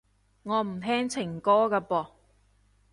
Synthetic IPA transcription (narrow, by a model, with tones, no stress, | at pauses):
ŋɔː˨˧m̩˨˩t̪ʰɛː˥ŋt͡sʰɪ˨˩ŋkɔː˥kaː˧pɔː˧˩